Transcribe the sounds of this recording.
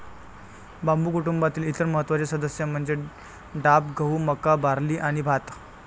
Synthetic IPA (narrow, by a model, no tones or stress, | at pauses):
bambuːkuʈumbat̪iːlit̪əɾməɦət̪ʋat͡ɕesəd̪əsjam̤əɳd͡ze | ɖapɡʱəɦuməkabaɾliːʔaɽ̃ibʱat̪